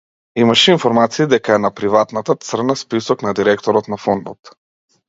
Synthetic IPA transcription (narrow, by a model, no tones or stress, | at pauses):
imaʃɛinfɔɾmat̪siːd̪ɛkaɛnapɾivat̪nat̪at̪srnaspisɔknad̪iɾɛkt̪ɔɾɔt̪nafɔnd̪ɔt̪